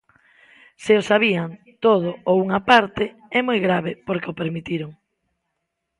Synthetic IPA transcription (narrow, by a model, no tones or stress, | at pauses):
sɪosaβ̞ian | t̪oð̞ʊowuŋapaɾt̪e | ɛmojɣɾaβ̞epoɾkeopeɾmit̪iɾʊŋ